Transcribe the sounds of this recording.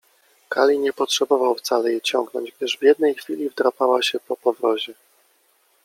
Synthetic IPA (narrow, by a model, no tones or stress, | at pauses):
kalʲiɲɛpɔtʂɛbɔvawft̪salɛjɛt͡ɕɔŋɡnɔ̰ɲd͡ʑɡ̚d̪ɘʐvʲjɛd̪nɛjxfʲilʲivd̪ɾapawaɕɛpɔpɔvɾɔʑɛ